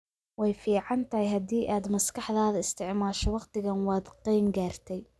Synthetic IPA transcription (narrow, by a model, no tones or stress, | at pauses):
wɛjfiːʕɑnt̪ʰɐhɛjɦɐd̪iːʔaːd̪mɐskɑħðaːðɐɪst̪ʰɪʕmaːʃɔwɑqt̪ɪɣɐnwɑːd̪qijmɡaːrt̪ʰɛj